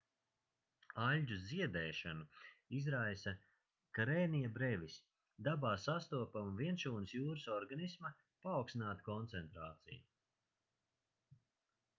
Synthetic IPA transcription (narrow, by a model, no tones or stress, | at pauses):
alʲɟuziɛd̪ɛːʃanuizɾajsɐ | kaɾɛːnijabɾɛvʲis | d̪abaːsast̪uɔpamviɛnʃuːnɨsjuːɾɨsɔɾɡanismɐ | paːwksinaːt̪kɔnt̪sɛnt̪ɾaːt̪sḭju